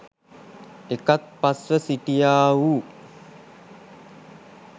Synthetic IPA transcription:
ekat̪̚pasʋəsiʈijaːʋu

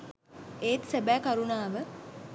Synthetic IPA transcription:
eːt̪sebæːkaɾunaːʋə

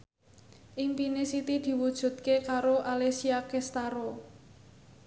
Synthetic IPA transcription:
ʔɪŋpinesit̪id̪̥i̤wud̥ʒ̥ṳt̪̚kekaɾoʔalesiakest̪aɾo

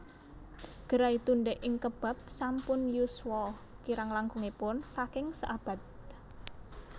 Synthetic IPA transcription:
ɡ̥əɾait̪unɖɛʔɪŋkəb̥a̤p̚sampʊnjuswɔ | kiɾaŋlaŋkuŋepʊnsakɪŋsə̰ʔab̥ä̤t̪̚

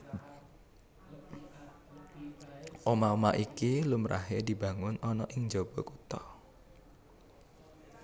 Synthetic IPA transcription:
ʔɔmaomaʔikilumɾʔa̰ɦed̪i̤bä̤ŋʊnɔnɔʔɪŋd͡ʒob̥ɔ̤kut̪ɔ

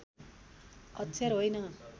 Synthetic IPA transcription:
ʌt̪ːsʰjarɦojnʌ

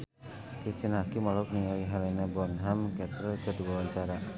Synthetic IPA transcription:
kɾist̪inharkimɔlʊk̚niŋaiɦɛlɛnabɔnɦamkɛt̪əkəduawaɲt͡ʃaɾa

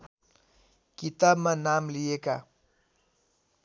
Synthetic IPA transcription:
kit̪abmanamlijeka

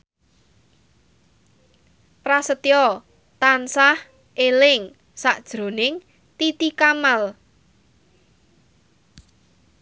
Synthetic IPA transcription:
prasət̪ijɔ | t̪ansah | ʔelɪŋ | saʔd̥ʒ̥ɾo̤nɪŋ | t̪it̪ikamal

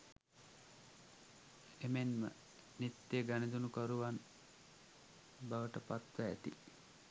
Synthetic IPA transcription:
emenmə̰ | net̪ːeɡaned̪unukoɾuʋan | baʋəʈəpat̪ʋəæ̰t̪ḭ

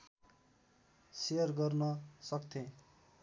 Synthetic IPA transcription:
sejʌrɡʌrnʌsʌkt̪ʰẽ

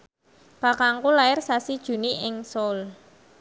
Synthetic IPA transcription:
b̥akaŋkulaɪrsasid̥ʒ̥ṳniɪŋsɔl

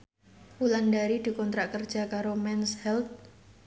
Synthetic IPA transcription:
ulandaɾid̪̥i̤kɔnt̪ɾaʔkərd̥ʒ̥a̤kaɾomɛnshɛlt̪̚

